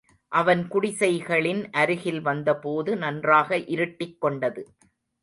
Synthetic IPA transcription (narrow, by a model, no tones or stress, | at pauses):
ʔɐʋɐnkʊɽɪsɐɪɣɐɭɪnʔɐɾɯɣɪlʋɐnd̪ɐpoːðɯnɐndraːɣɐʔɪɾɯʈːɪkːɔɳɖɐðɯ